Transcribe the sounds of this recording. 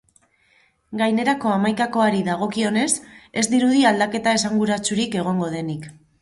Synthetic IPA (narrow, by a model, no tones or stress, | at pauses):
ɡajne̞ɾako̞amajkako̞aɾiðaɣ̞o̞kio̞ne̞se̞zd̪iɾuðiald̪ake̞t̪ae̞saŋɡuɾat͡suɾike̞ɣ̞o̞ŋɡo̞ð̞e̞nik